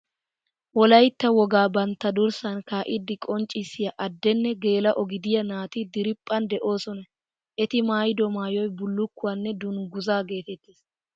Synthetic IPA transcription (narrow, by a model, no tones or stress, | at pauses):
wɔlɐjt̪ːɐwɔɡaːbɐnt̪ːɐd̪ʊɾsɐnkaːʔɪd̪ːɪkʼɔnt͡ʃʼɪsɪjɐʔɐd̪ːɛnːɛɡe̞ːlɐʔɔɡɪd̪ɪjɐnaːt̪ɪd̪ɪɾɪpʼːɐnd̪ɛʔo̞ːsɔnɐ | ʔɛt̪ɪmaːjd̪ɔmaːjɔjbʊlːʊkːʊwanːɛd̪ʊnɡʊzaːɡe̞ːt̪ɛt̪ːiːs